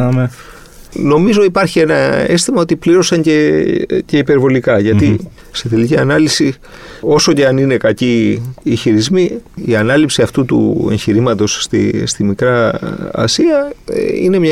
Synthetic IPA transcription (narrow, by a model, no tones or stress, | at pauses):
m | no̞mizo̞ipɐɾçie̞nɐe̞st̪imɐo̞t̪ipliɾo̞sɐɲce̞ce̞ipe̞ɾvo̞likɐʝɐt̪i | set̪e̞liciɐnɐlisi | o̞so̞ceɐnine̞kɐciːçiɾizmiiɐnɐlipsiɐft̪ut̪ṵeɲçiɾimɐt̪o̞sst̪ḭst̪imikɾɐ̰ː | siɐḭne̞mɲɐ